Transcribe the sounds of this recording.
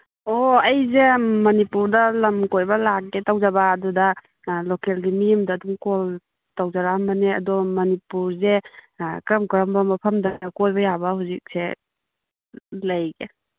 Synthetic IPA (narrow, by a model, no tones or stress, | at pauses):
oɐjzemɐnipuɾdɐlɐmkojbɐlak̚ːetawzabaːdudɐ | lokelɡimijmdɐːdumkɔl | tawzaɾaambɐneɐ̰dɔmɐnipuɾzekɾɐmkɾɐmbɐmɐpʰɐmdɐkojbɐjabɐhuzik̚se | lɐjɡe